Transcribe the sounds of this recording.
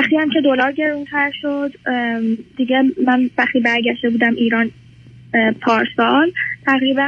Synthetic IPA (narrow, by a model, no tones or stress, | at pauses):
æχt̪iːæmcʰe̞d̪olɒːɾɟe̞ɾunt̪ʰæɾʃod̪ | d̪̥iɟemænvæχt̪iːbæɾɟæʃd̪e̞buːd̪æmʔiːɾɒːn | pʰɒːɾsɒːlt̪ʰæɣɾibæ